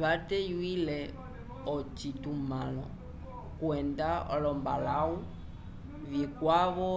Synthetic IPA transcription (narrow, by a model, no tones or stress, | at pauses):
βatɛjwilɛ | ɔt͡ʃitumalɔ̰ | kwɛndaɔ̰lɔmba̰lau | vikwaβɔ